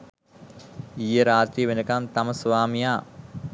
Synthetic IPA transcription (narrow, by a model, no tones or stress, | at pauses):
ijəɾaːt̪ɾijəʋenəkamt̪ɐməsʋaːmijaː